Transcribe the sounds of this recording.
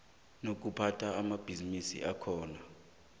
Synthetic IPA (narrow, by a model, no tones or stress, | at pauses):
nok̬upʰatʰaːmab̥ʱizinisḭʔakʰɔːna